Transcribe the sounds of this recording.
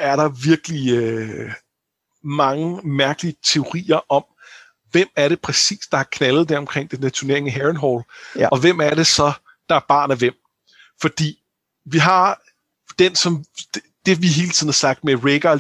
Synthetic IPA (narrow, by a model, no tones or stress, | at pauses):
æɐɾ̥ɑ̈ʋiɐɡ̥əliø | mɑ̈ŋəmæɐɡ̥əliət͡sʰe̝o̝ʁḭːɐʔɒ̽m | ʋem̰æɐɾe̝pʰʁɛsḭːsd̥ɑ̈hɑ̈kʰnælð̞̩ˠd̥æɐɒ̽mkʰʁeŋ̰d̥enːæt͡sʰuone̝ɐeŋæɦæʁənɦɒlɒ̽ʋem̰æɐɾe̝sɒ̽ | d̥ɑ̈æɐb̥ɑ̰̈ːnæʋem̰ | fɒ̽d̥ḭː | ʋiɦɑ̈ | d̥ensɒ̽m̥ | d̥e̝ʋiɦe̝ːlət͡sʰiðˠn̩hɑ̈sɑ̈ɡ̥̚d̥meʁeɡ̥ɐ